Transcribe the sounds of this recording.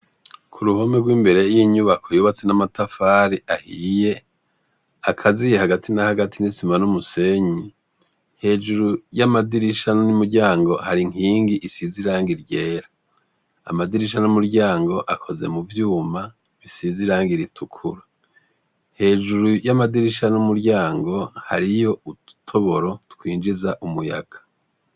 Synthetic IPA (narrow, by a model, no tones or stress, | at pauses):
kʰuɾuho̞meɡwiːmbe̞ɾe̞jiɲuβakʰojoβat͡senamatafaːɾiʔahije̞ | akʰazijehaɡatʰinahaɡatinisimanumuse̞ɲi | he̞ːd͡ʒuɾujamadiɾiʃannimuɾɟaːŋɡo̞haɾiŋ̥iːŋɡiʔisiziɾaːŋɡiɾɟe̞ːɾa̰ː | madiɾiʃ̬anumuɾɟaːŋɡo̞ʔakʰo̞ze̞̰muvjuːma | βisiziɾaːŋɡiɾitʰukʰuɾa | he̞ːd͡ʒuɾujamadiɾiʃanumuɾɟaːŋɡo̞ha̰ɾijo̞utʰo̞βo̞ɾo̞tu̥kʰwiːnd͡ʒizaʔumuja̰ɡ̥ḁ